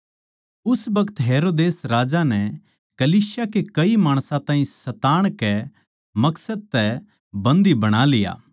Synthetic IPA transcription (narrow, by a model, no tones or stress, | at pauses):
ʊsbɐkət̪ɦeːɾoːd̪eːsɾaːd͡ʒanɛ | kɐliːsjakekɐimaːɽ̃sãt̪ãːĩsɐt̪aːɽ̃kɛ | mɐksəd̪̚t̪ɛ | bɐ̃nd̪ibɐɽ̃alɪja̰ː